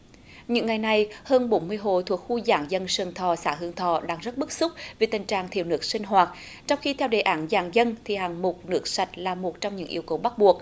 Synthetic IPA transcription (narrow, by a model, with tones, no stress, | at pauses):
ɲɨ̰˧˥ŋːa˨˩jna˨˩jhəː˧nɓo˨˦nmɨ˧əjɦo̰˧˨t̪ʰu˨˩ək̚xu˧zaː˧˩˦ŋzə˧nsəː˨˩ŋt̪ʰɔ˨˩saː˧˦ɦɨ˧˩əŋt̪ʰɔ˧˩ɗaː˧ŋzə˦˥t̚ɓɨ˦˥k̚sʊ˦˥k͡p̚ve˨˩t̪ï˨˩ŋ̟t͡ɕaː˨˩ŋt̪ʰḭ˨˧˨əwnɨ˦˥ək̚sï˧ŋ̟ɦwaː˨˩t̚ | t͡ɕɔ˧wŋ͡mxi˧t̪ʰɛ˧wɗe˨˩ʔaː˧˩˦nzaː˧˦ŋzə˧nt̪ʰi˨˩haː˨˩ŋmo˨˩t̚nɨ˦˥ək̚sa˨˩jt̟̚laː˨˩mo˨˩t̚t͡ɕɔ˧wŋ͡mɲɨ̰˧˥ŋʔḭ˧əwkə˨˩wɓa˦˥t̚ɓu˨˩ək̚